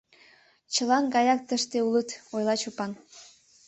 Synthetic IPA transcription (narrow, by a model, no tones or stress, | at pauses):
t͡ɕəlɑnɡɑjɑk̚t̪əʃt̪eulət̪ojlɑt͡ɕupɑn